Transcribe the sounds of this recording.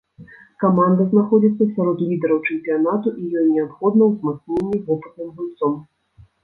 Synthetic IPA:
kamand̪ɐznaxɔd͡zʲit̪sːɐsʲaɾɔt̪lʲid̪ɛɾɐwt͡ʂɛmpʲijanat̪uʔijɔjnʲɛapxɔd̪nɐwzmat̪snʲenʲːivɔpɨt̪̚nɨmbɨlʲt̪sɔm

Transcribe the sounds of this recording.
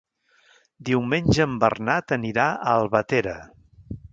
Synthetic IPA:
d̪iwmenʲʒəːmbə̰rnat̪əniɾaəlˠβət̪eɾə

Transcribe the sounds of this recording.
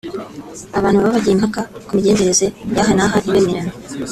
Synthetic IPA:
aβaːnhuββaβaɟiimhakakumiɟe̞ːɲeɾe̞ze̞jaːɦanaɦaʔiβemiɾano

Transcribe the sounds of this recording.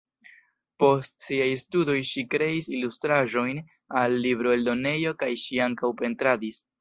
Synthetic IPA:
po̞stsiajstudo̞jʃikɾe̞isilustɾaʒo̞jn | alːibɾoeldo̞ne̞jo̞kajʃiaŋkawpe̞ntɾadis

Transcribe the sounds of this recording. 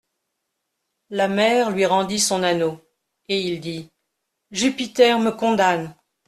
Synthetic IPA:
lamɛʁlɥiʁɑ̃d̪isɔ̃nano | eild̪i | ʒypit̪ɛʁməkɔ̃d̪an

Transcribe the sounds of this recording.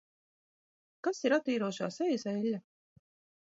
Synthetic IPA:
kasiɾat̪iːɾuɔʃa̰ːsɛjsailʲːa

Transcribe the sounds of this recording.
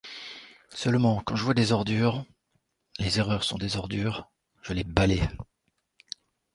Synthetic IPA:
sœlmɑ̃kɑ̃ʒəvwad̪ezɔʁd̪yːʁ | lezeʁœʁsɔ̃d̪ezɔʁd̪yːʁ | ʒ̥əlebale

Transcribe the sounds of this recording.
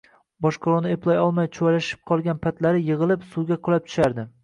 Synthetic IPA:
bɒʃqʰolˠonɪeplˠajɒlˠmajt͡ʃʰwjlaʃɪ̥p̚qʰɒlˠɡʲanpʰat̪laɾɪjɨʁɨlˠɪpsuwɡʲaqʰɨlˠap̚t̪ʰʊ̥ʃaɾd̪ɪ

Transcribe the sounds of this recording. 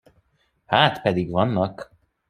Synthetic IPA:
haːt̪pɛd̪iɡvɒnːɒk

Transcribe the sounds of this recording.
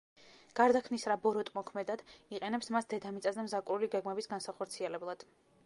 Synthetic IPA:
ɡ̥aɾd̪akʰmnisɾabɔɾɔt̪ʼmɔkʰmɛd̪ad̪̥iqʼɛnɛpsmasd̪ɛd̪amit̪sʼazɛmzakʼuɾuliɡɛɡmɛbisɡansaχɔɾt̪sʰiɛlɛblˠad̪̥

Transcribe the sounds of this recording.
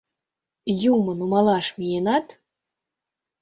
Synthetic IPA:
jumɤ̆numɑlˠɑʃmijenɑt̪

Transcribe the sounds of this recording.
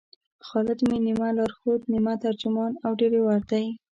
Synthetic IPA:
xɑlɪd̪minimalɑɾxot̪nimat̪aɾd͡ʒʊmɑnawɖeɾewaɾt̪aj

